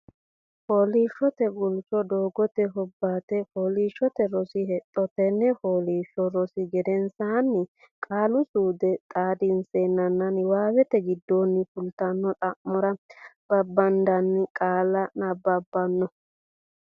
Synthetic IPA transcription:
hoːliːʃːɔt̪ɛɡʊlt͡ʃɔd̪oːɡɔt̪ɛɦɔbːaːt̪ɛhoːliːʃːɔt̪ɛɾɔsɪhɛt̪ʼːɔt̪ɛnːɛhoːliːʃːɔɾɔsɪɡɛd̪ɛnsaːnːɪ | kʼaːlʊsuːd̪ɛt̪ʼaːd̪ɪnseːnːɐnːɐnwaːwɛt̪ɛɡɪd̪ːoːnːɪfʊlt̪ɐnːɔt̪ʼɐʔmːɔɾɐb̥ɐbːɐnd̪ɐnːɪkʼaːlɐnɐbɐbːɐnːɔ

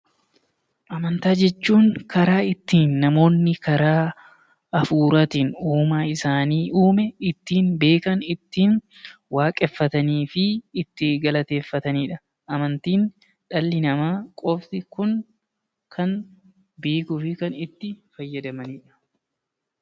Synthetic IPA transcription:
ʔɐmɐnt̪aːd͡ʒɛt͡ʃːuːŋkʰɐɾaːɪt̪ːiːnːɐmo̞ːnːɪkɐɾaː | ɐfuːɾɐt̪ɪnuːmaːɪsaːniːʔuːmɛɪt̪ːiːnbe̞ːkɐnɪt̪ːiːn | waːkʼɛfːɐt̪ɐniːfɪːt̪ːɪɡɐlɐt̪e̞ːfːɐt̪ɐniːᶑɐ | ʔɐmɐnt̪iːn | ᶑɐlːɪnɐmaːkʼɔft̪ɪkʊŋ | kʰɐn | beːkʊfɪkɐnɪt̪ːɪfɐjːɐd̪ɐmɐniːᶑɐ̥

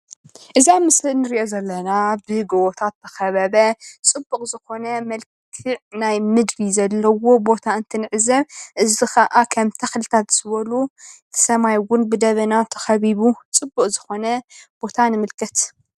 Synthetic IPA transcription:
ʔɨzamɨsɨnɨɾiʔozɐlːɐnabɨɡɐwot̪ʰat̪ʰːɐxɐβɐβɐt͡sʼɨbːukʼzɨxo̞nɐmɐlkkʰɨʕnajmɨd̪bizɐlːɐwo̞bo̞t̪ʰaɨnt̪ʰɨnɨʕzɐβʔɨzixʰɐʔakʰɐmt̪ʰɐxlɨt̪ʰat̪zɨβɐlut̪ʰɐ̥sɐmajwʊnbɨd̪ɐβɐnat̪ʰɐ̥xɐβiβut͡sʼɨbːukʼzɨxo̞nɐb̥o̞t̪ʰanɨmɨlkʰɐt̪

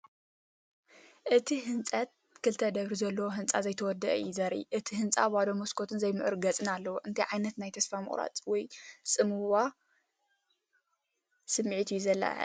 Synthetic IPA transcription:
ʔɨt̪ʰiɦɨnt͡sʼɐt̪̚ | kʰɨlt̪ʰɐd̪ɐβɾizɐlːɐwoɦɨnt͡sʼazɐjt̪ʰɐwɔd̪ːɐʔɐjuzɐɾʔḭʔɨt̪ʰiɦɨnt͡sʼabad̪omoskʰo̞t̪ʰɨnzɐjmɨʕɨ̰ɾɡɐt͡sʼɨnalːɐwoʔɨnt̪ʰɐjʕajnɐt̪najt̪ʰɐsfamɨ̰χʼɾa̰t͡sʼwɔjsʼɨmɨwa | sɨmːɨʕit̪ʰijuzɐlːa̰

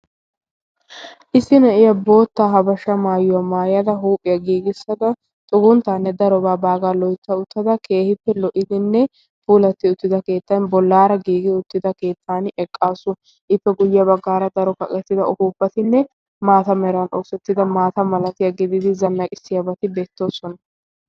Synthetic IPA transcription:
ʔɪsːɪnɐʔɪjɐbo̞ːt̪ːaːɦɐbɐʃɐmaːjʊwɐmaːjɐd̪ɐɦuːpʼːɪjɐɡiːɡɪsːɐd̪ɐ | t̪ʼʊɡʊnt̪ːaːnːɛd̪ɐɾɔbaːbaːɡaːlɔjt̪ːɐʊt̪ːɐd̪ɐkʰe̞ːhɪpːɛlɔʔɪd̪ɪnːɛ | puːlɐt̪ːɪʊt̪ːɪd̪ɐke̞ːt̪ːɐnbɔlːaːɾɐɡiːɡɪʊt̪ːɪd̪ɐke̞ːt̪ʰːaːnɛkʼːaːsʊ | ʔɪpːɛɡʊjɐbɐɡːaːɾɐd̪ɐɾɔkɐkʼɛt̪ːɪd̪ɐʔɔhuːpːɐt̪ɪnːɛ | maːt̪ɐmɛɾɐno̞ːsɛt̪ːɪd̪ɐmaːt̪ɐmɐlɐt̪ɪjɐɡɪd̪ɪd̪ɪzɐnːɐkʼɪsːɪjɐbɐt̪ɪbeːt̪ːo̞ːsɔnɐ

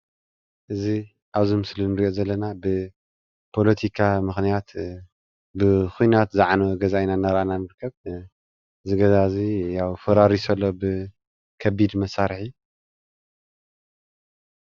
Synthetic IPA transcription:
ʔɨzi | ʔaβzimɨslinɨɾiʔo̞zɐlːɐnabɨ | pʰo̞lɐt̪ʰikʰamɨxnijat̪ | bɨxujnat̪zaʕanɐwɡɐzajnanːaɾʔananɨɾɨkʰːɐβ | zɨɡɐzazijawfɐɾaɾisɐlːobɨ | kʰɐbid̪mɐsaɾħi

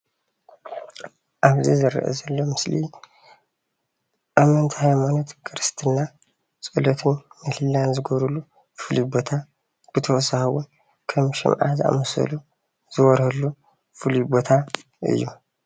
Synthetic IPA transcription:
ʔaβzizɨɾ̰ʔɛ̰zɐlːo̞mɨsli | ʔamɐnt̪ʰi̥hajmanot̪kʰɨɾɨst̪ʰɨna | sʼɨlɐt̪ʰɨnmɨlɨlːanzɨɡoβɾulu | fɨlibo̞t̪ʰa | b̥ɨt̪ʰɐʔsahwun | kʰɐmʃɪ̰mʕa̰zɨʔa̰mɐsɐ̰lu | z̥ɨwɔɾhɐlːu | fɨlibo̞t̪ʰa | ʔɨ̰jːu

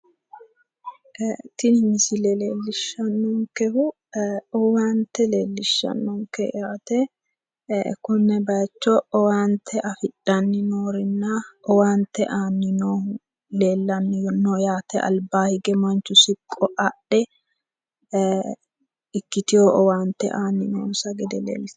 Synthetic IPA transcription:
t̪ɪnɪmɪsɪlɛle̞ːlːɪʃːɐnːɔŋkɛhʊ | ɔwaːnt̪ːɛle̞ːlːɪʃːɐ̰nːɔŋkɛ̰jaːt̪ɛ | kʊnːɛbɐjt͡ʃːɔɔwaːnt̪ʰːɛʔɐfɪɗɐnːɪnoːɾɪnːɐɔwaːnt̪ːɛʔaːnːɪnoː | le̞ːlːɐnːɪjnɔjaːt̪ɛɐ̰lbaːhɪɡɛmɐnt͡ʃːʊsɪkʼːɔʔɐɗɛ | ɪkːɪt̪ɪjoʔɔwaːnt̪ːɛ̰ʔaːnːɪno̰ːnsɐɡɛd̪ɛlḛːlɪs

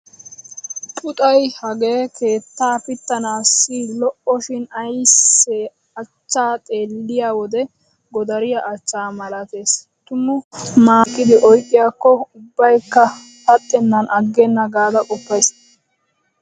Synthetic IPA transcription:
pʼʊt̪ʼɐjhɐɡeːke̞ːt̪ːaːpɪt̪ːɐnaːsːiːlɔʔɔʃɪnɐjsːɛ | ɐt͡ʃːaːt̪ʼe̞ːlːɪjaːwɔd̪ɛ | ɡɔd̪ɐɾɪjɐʔɐt͡ʃːaːmɐlɐt̪e̞ːs | t̪ʊmʊmaːkːɪd̪ɪʔɔjkʼːɪjaːkːɔʊbːɐjkːɐ | pɐt̪ʼːɛnːɐnʔɐɡːɛnːɐɡaːd̪ɐkʼɔpːɐjs

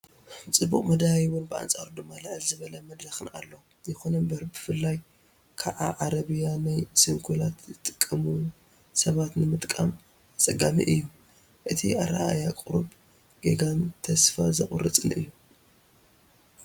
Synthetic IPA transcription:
t͡sʼɨbuχʼmɐd̪ajwʊnbɨa̰nt͡sʼaɾud̪ɨmːalɨʕɨlzɨβɐlɐmɐd̪ɾɐxɨna̰lːɐw | zɛxonɐmbɐɾbɨfɨlːaj | kʰaʔaʕaɾɐβijanajsɨŋkʰulat̪zɨt̪ʼɨ̥kʼːɐmu | sɐβat̪nɨmɨt̪ʼkʼam | t͡sʼɐɡʼamḭʔɨjːu | ʔɨt̪ʰḭʔa̰ɾa̰ʔa̰jakʼɨɾub | ɡ̥eɡamt̪ʰɐsfa̰zɐχʼʊɾɨt͡sʼɨnɨ̰jːu

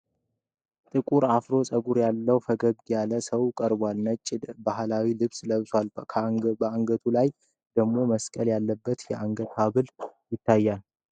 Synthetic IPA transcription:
t̪ʼɨkʼuɾafɾo̞sʼəɡuɾjalːəwfəɡəɡ̪jaləsəwkʼəɾbwalnət͡ʃʼːɪd̪baɦlawilɨβsləβswalkʰbəaŋɡət̪ʰulaj | d̪̥əɡmo̞məskʼəljalːəbːət̪jɛʔaŋɡət̪aβɨljɪt̪ʰːajːal

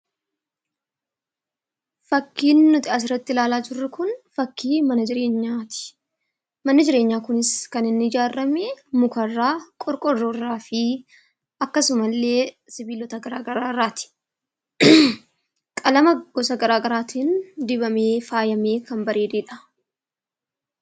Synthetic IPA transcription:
fɐkːiːnːʊt̪ɪas̬ɪrːɐt̪ːɪlaːlaːd͡ʒɪrːʊkʊnfɐkːiːmɐnɐd͡ʒɪɾe̞ːɲːaːt̪ɪ̥ | mɐnːɐd͡ʒɪɾe̞ːɲːaːkʊnɪskɐnɪnːɪɪd͡ʒaːrːɐmeːmʊkɐrːaːkʼɔɾkʼɔrːoːrːaːfɪ | ɐkːɐsʊmɐlːe̞ː | sɪbiːlɔt̪ɐɡɐɾaːɡɐɾaːrːaːt̪ɪ̥ | kʼɐlɐmɐɡ̥ɔsɐɡɐɾaːɡɐɾaːt̪iːnd̪ɪbɐme̞ːfaːjɐmeːkɐmbɐɾeːd̪eːᶑɐ̥

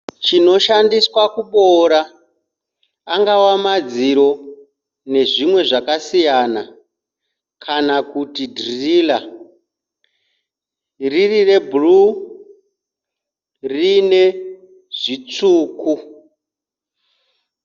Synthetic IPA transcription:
t͡ʃino̞ʃandiswakuɓoɾa | ŋɡawamad͡ziɾo̞ | ne̞ʐimwe̞ʐakasijana | kʰanakutidrriːla | ririre̞buru | rine̞ | ʐ̥it͡suːku

